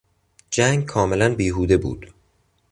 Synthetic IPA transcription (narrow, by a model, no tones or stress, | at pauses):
d͡ʒæːŋɡkʰɒːme̞lænbiːɦuːd̪e̞bṵːd̪̥